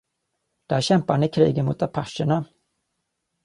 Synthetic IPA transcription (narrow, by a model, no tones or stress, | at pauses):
d̪̥æːɾɕɛmpahanɪkʰɾiːɡənmʊ̰t̪apʰaʂəɳa